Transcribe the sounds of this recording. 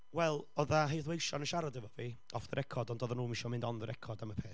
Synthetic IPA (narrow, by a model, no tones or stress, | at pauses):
wɛlˠɔðaɦejθwejʃɔnəʃaɾadɛvɔvi | ɔfðəɾʔɛkʰɔdɔndoðanuːmɪʃɔmɪndɔnðəɾʔɛkʰɔdaməpʰeːθ